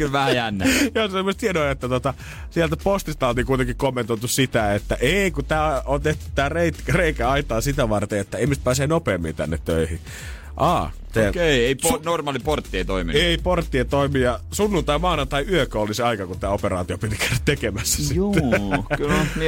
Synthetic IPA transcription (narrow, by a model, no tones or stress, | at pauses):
kylʋæhæjænːæjoːsemːost̪hienoiet̪ːæt̪ot̪ɑ | sielt̪æpost̪ist̪ɑolt̪ikuit̪eŋkikomːent̪oˑit̪ussit̪æet̪ːæʔeˑikut̪æːont̪eht̪y̥t̪tæːreitreikæɑit̪ɑːsit̪æʋɑrt̪eet̪ːæeimyst̪pæːseːnopeːmːḭnt̪æ̰nːḛt̪tø̰ihḭ | ʔɑː | sekeieiponormɑːliport̪ːiet̪oimieiport̪ːiet̪oimijɑsunːunt̪ɑimɑːnɑnt̪ɑiyøkøoliseɑikɑkut̪æːoperɑ̰ːt̪iopit̪ikæɾæt̪t̪ekemæsːæ̥siuklmi